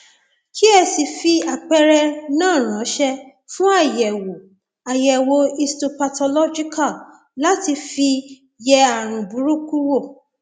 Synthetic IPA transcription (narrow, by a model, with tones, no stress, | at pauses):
ki˦ɛ˧si˨fi˧a˨k͡pɛ˧ɾɛ˧nãː˦˨ɾ̃ã˨˦ʃɛ˧ | fũ˦a˦˨jɛ˨wo˨ | a˨jɛ˨wo˨˦i˧sto˧pa˧tɔ˧lɔ˦d͡ʒi˦ka˦˨ | la˦ti˧fi˧ | jɛ˧a˨ɾ̃ũ˨bu˨˦ɾu˦ku˦wo˦˨